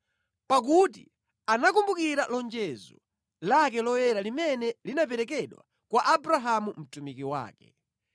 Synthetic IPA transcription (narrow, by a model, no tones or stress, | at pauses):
pak̬ut̬i | anakumbukiɾalɔnd͡ʒɛzɔ̰ | lak̬ɛlɔwɛɾalimɛnɛlinap̬ɛɾɛkɛɗwa̰ | kwaʔabɾaɦamum̩tumikiwa̰ːkɛ̥